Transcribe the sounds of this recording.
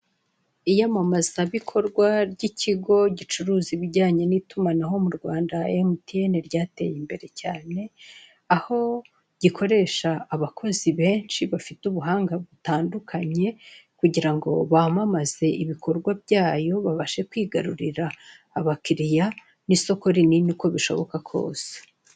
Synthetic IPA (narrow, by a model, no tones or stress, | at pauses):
ijamamaz̥aβikʰo̞ɾɡwaɾɟiciɡo̞ɟit͡ʃuɾuːziβiɟaːɲe̞nitumanaɦo̞muɾɡwaːndaemutieneɾɟaːte̞̰jimbe̞ɾe̞caːne̞ | aho̞ | ɟ̥ikʰo̞ɾe̞ʃaːβakʰo̞ziβe̞ːnʃiβafituβuɦaːŋɡaβutaːndukʰaɲe̞kuɟiɾaŋɡo̞̰βamamaz̥e̞iβikʰo̞ɾɡwabɟaːjo̞βaβaʃe̞kwiːɡaɾuɾiɾaː | βakiɾija | niso̞ko̞ɾininiko̞βiʃo̞̰βo̞̰kakʰo̞̰ːse̥